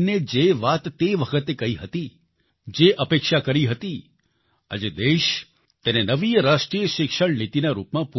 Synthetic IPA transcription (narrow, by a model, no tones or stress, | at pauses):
ned͡ʒeʋat̪ːeʋəkʰət̪ekəiɦət̪i | d͡ʒeʔəpekʃakəɾiɦət̪i | ə̰d͡ʒed̪eʃ | t̪enenəʋiəɾaʃʈɾijəʃɪkʃəɽnit̪inaɾupmãpu